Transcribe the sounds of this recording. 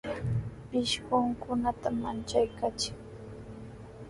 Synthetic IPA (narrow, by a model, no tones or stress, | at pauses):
pɪʃɢʊŋkʊnat̪amant͡ʃajkat͡ʃɪ̥ŋ